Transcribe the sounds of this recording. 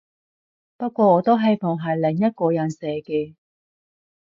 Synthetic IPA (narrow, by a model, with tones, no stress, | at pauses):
pɐ˥t̚kʷɔː˧ɔː˨˧t̪o˥wɦɐ˨jfɔ˨˩ŋɦɐ˨˩jlɪ˨˩ŋjɐ˥t̚kɔː˧jɐ˨˩nsɛː˨˧kɛː˧